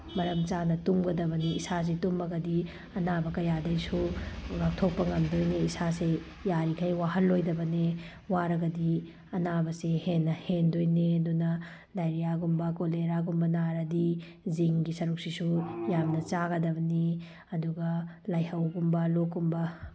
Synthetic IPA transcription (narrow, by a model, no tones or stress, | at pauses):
mɐɾɐmt͡ʃanɐtumɡɐdɐbɐniːsas̬itumɐɡɐdi | ɐnabɐkɐjadɐjsuɡak̚tʰok̚pɐŋɐmdojneisase | jaɾikʰajwaɦɐlːojdɐbɐne | waɾɐɡɐdi | ɐnabɐsehenːɐhendojnendunɐ | lajɾijaɡumbɐkoleɾaɡumbɐnaɾɐdi | ziŋɡisɐɾuk̚sisujamnɐt͡ʃaɡɐdɐbɐni | ɐduɡɐlajhɐwɡumbɐlokːumbɐ